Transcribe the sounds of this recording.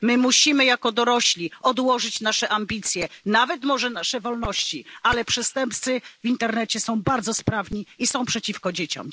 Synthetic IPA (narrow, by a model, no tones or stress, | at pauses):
mɘmuɕimɘjakɔd̪ɔɾɔɕlʲiɔd̪wɔʐɘt͡ɕnaʂɛʔambʲit̪sʲjɛnavɛt̪mɔʐɛnaʂɛvɔlnɔɕt͡ɕialɛpʂɛst̪ɛmp̚t̪sɘvʲint̪ɛɾnɛt͡ɕɛsɔ̃w̃baɾd̪zɔspɾavɲiisɔ̃w̃pʂɛt͡ɕifkɔd͡ʑet͡ɕɔ̰̃m